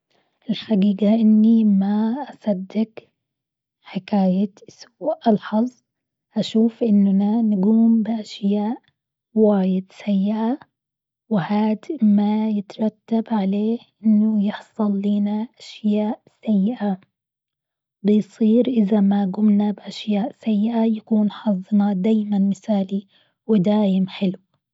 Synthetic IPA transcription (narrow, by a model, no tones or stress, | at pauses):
ʔɪlxad̪iːɡaʔɪnːimaʔasˤɑd̪ːɪk | ħɪkaːjasuːʔʔɑlħɑzˤ | ʔaʃuːfʔɪnːnanɪɡuːmbɪʔaʃjaːʔ | waːjɪd̪sajːɪʔa | wɪhaːd̪majɪt̪ɾˤɑt̪ːabʕaleːhʔɪnːʊjɪħsˤɨlːiːnaʔaʃjaːʔsajːɪʔa | bɪjsˤiːɾʔɪðamaɡʊmnabɪʔaʃjaːʔsajːɪʔajakuːnħɑzˤːnad̪aːjmanmɪθaːli | wɪd̪aːjɪmħɪlw